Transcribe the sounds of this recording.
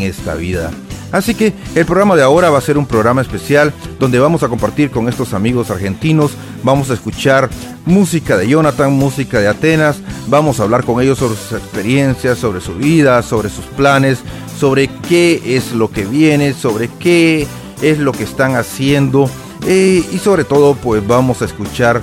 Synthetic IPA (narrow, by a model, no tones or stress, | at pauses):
eŋest̪a̰βiða̰ | asike̞ːlpɾoɣɾamaðeao̞ɾaβase̞ɾumpɾo̞ɣɾamaespe̞sjald̪o̞nd̪e̞βamo̞sako̞mpaɾt̪iɾko̞ŋe̞st̪osamiɣo̞saɾxe̞nt̪ino̞s | bamo̞s̬aeskut͡ʃaɾ | musikaðe̞ʝo̞nat̪aŋmusikaðe̞at̪e̞nasbamo̞saːβlaɾko̞ŋe̞ʝo̞sːo̞βɾesusekspe̞ɾje̞nsjasːo̞βɾe̞suβiðaso̞βɾe̞susplane̞sː | o̞βɾe̞ke̞eslo̞ke̞βje̞ne̞so̞βɾe̞ke | ezlokeːst̪aŋasje̞nd̪o̞ | eiso̞βɾe̞t̪o̞ðo̞pwe̞sbamo̞saeskut͡ʃaɾ